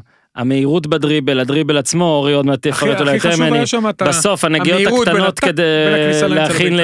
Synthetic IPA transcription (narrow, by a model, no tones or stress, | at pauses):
ha̰me̞iʁut̬bedʁibe̞lad̪ʁibe̞lat͡smo̞oʁiod̪meat̪efaot̪ulajt̪emennibaso̞fhaneɡijotakt̪ano̞t̪kedeleaχin